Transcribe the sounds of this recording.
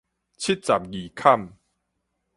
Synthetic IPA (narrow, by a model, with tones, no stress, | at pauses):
t͡ɕʰi˦˥t̚t͡sa˨˩p̚ɡi˨˩kʰa˥˧˨m